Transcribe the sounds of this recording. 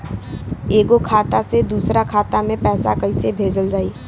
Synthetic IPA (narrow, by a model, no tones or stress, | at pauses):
eːɡokʰaːt̪ased̪uːsɾakʰaːt̪amẽpɛːsakəɪsebʱeːd͡ʒəld͡ʒaːiː